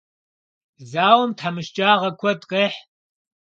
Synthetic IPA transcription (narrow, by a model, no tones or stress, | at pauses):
zaːwɐmtʰħamɨʃt͡ʃʼaːʁɐkʷʰɔdqʼeːħ